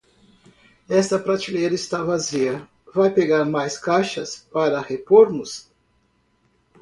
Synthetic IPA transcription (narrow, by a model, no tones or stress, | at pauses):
ɛst̪ɐpɾat͡ʃilejɾɐɪst̪avaziɐ | vajpeɡaɾmajskajʃɐspaɾɐhepoɾmʊs